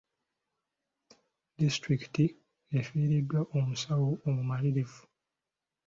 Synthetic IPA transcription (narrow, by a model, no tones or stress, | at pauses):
distɾiki̥ti | efiːɾidːwaʔomusawoomumaliɾevu̥